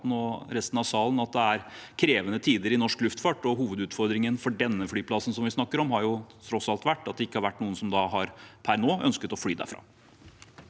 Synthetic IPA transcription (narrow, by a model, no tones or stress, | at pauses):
noːɾɛst̪n̩ɑʋsɑːlənɑt̪̚d̪ɛæɾkʰɾeːʋənət̪ʰiːd̪əɾɪnɔʂklʉft̪fɑːʈːɔɦuːʋəd̪ʉːt̪fɔɾd̪ɾɪŋənfɔɖɛnːəflyːpʰlɑsn̩sɔmʋɪsnɑkːəɾɔmɦɑɾjʊt̪ʰɾɔsɑlt̪ʋæʈːɑt̪̚d̪ɛɪkːəhɑɾʋæʈːnuːənsɔmd̪ɑɦɑɾpʰæɾnoːʔœ̰nskət̪ɔflyːd̪æ̰ɾfɾɑ̰ː